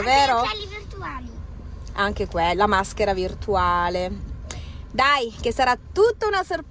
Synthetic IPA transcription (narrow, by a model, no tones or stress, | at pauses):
veːɾolivirt̪uali | aŋk̟ekwelamask̟eɾavirt̪uaːle | d̪ajk̟esːaɾat̪ːut̪ːounaserp